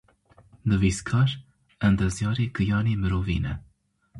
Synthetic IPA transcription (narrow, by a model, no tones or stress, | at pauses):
d̪ɨviskʰɑːɾ | ɛnd̪ɛzjɑːɾeːkɨjɑːnemɨɾoːvḭːnɛ